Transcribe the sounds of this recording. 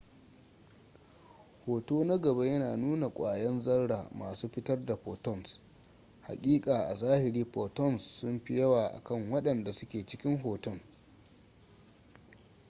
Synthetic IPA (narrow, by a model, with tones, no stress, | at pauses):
hoː˨toː˦nɐ˦ɡɐ˨ba˦jɐ˦naː˨nuː˦na˨kʷʼaː˨jɐ˦nzɐ˦rɽa̰ː˨ma̰ː˨suː˦ɸɪ˦tɐ˦rda˨ɸoː˨tɔ˦˨ns | ha̰˨kʲʼiː˦kʼaː˨ʔa˨zaː˦hɪ˨ɾiː˦poː˨tɔ˦˨nsːʊ˦mɸɪ˦jɐ˦waː˨ʔa̰˨kɐ˦˨ŋwɐ˦ɗɐ˨nda˨sʊ˦kʲeː˨t͡ʃɪ˦kʲɪ˦ŋɦoː˨tɔ˦˨ŋ